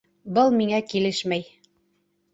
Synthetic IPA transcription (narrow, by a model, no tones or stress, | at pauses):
bɤlˠmiŋækilɘʃmæj